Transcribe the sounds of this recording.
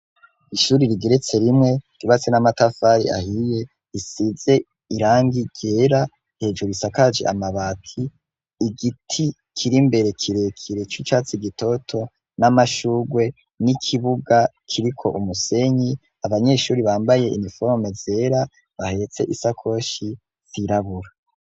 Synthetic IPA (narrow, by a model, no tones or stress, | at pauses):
iʃuːɾiɾiɡeɾet͡se̞ɾimŋe̞ɾiβat͡senamatafaɾḭʔa̰hije̞ | isize̞ | iɾaːŋɡiɟe̞ɾa | he̞ːd͡ʒuɾuisakad͡ʒḛʔa̰maβatʰiː | ɡitʰi | kʰiɾimbe̞ɾe̞kʰiɾe̞kʰiɾe̞t͡ʃut͡ʃaːt͡siɡito̞tʰo̞ | namaʃuɡwe̞ | nikʰiβuɡa | kʰiɾikʰo̞̰ʔumuse̞ɲi | aβaɲe̞ʃuːɾiβaːmbaje̞ʔḭnifoɾme̞ze̞ːɾa | βahe̞t͡se̞̰ʔisakʰo̞ʃi | z̥iɾaβuɾa